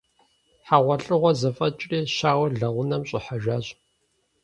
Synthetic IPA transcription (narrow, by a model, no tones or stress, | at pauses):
ħaʁʷɐɬʼɨʁʷɔzɐfʼɐt͡ʃʼreːʃaːwɐɮɐʁʷʊnɐmɕʼɪħaʒʷaːʑ